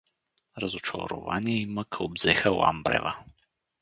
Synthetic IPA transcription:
ɾɐzot͡ʃo̰ɾʊ̰va̰niɛiməkʰobzɛxəla̰mbɾɛ̰və

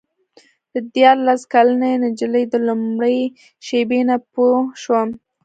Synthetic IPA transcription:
d̪̥əd̪jɑɾlaskalanenad͡ʒələjd̪əlumɽəj | ʃebenapoʃwa

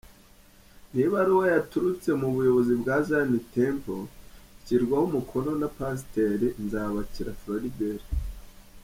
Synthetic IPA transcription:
niβaɾiwojatuɾut͡se̞muβujo̞βo̞zibɡaːzanitempociɾɡwahumukʰo̞no̞napas̬teɾinzaβaciɾafloɾideɾi

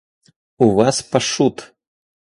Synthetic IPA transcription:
uvaspaʂut̪

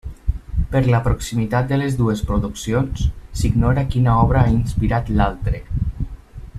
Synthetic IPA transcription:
pəɾlapɾoksimit̪at̪̚d̪əlezðuespɾuðuksijonssiɡnɔɾakinaɔβɾaainspiɾat̪lalˠt̪ɾe

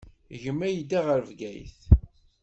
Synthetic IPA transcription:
ʝəmːæjd̪iʁəɾəvɡæjθ

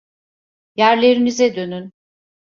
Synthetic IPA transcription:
jæɾlʲe̞ɾinizɛd̪ø̞nyn

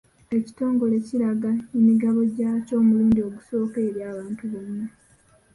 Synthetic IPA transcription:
e̞ci̥to̞ːŋɡo̞le̞ciɾaɡanimiɡaβo̞ɟaːco̞ːmuluːndio̞ɡuso̞ːke̞ɾjaːβaːntuβomwe

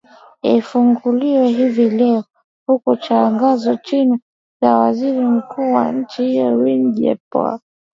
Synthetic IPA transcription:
ifuŋɡuliwɛɦivilɛɔ | hukut͡ʃaŋɡazɔt͡ʃini | zawaziɾim̩kʰuːwa̰ɲ̩t͡ʃihijɔɾinʄɛ̰pa̰

